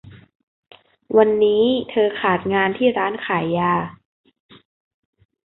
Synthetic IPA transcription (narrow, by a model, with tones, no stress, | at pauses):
wa˧nːiː˦˥t̪ʰɤː˧kʰaː˨˩t̪̚ŋaː˧nt̪ʰiː˥˩ɾaː˦˥nkʰaː˩˦jːaː˧